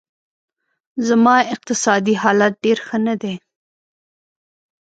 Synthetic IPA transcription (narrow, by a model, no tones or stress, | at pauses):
zamɑɪq̚t̪ɪsɑd̪iɦɑlat̪̚ɖeɾxənad̪e